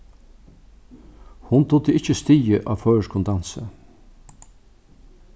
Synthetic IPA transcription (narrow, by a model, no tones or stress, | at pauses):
hʊnt̪ʰʊt̪əɪt͡ʃəst̪iːəʔɑːʋfœːəʂkʰʊnd̪ɑnsə